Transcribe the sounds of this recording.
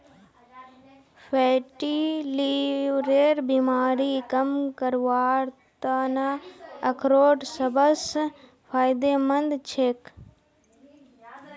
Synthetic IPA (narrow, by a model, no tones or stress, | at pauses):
pʰeːʈiliʋɾeːɾbiːmaːɾikɐmkəɾʋaːɾt̪anaɐkʰɾoːʈsɐbəs | pʰaːjd̪eːmɐnd̪t͡ʃʰeːk